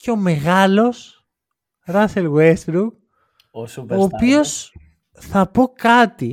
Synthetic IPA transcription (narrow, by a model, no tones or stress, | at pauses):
ceome̞ɣalo̞s | rɐselɣwesbɾuk | opios | θɐpokɐt̪i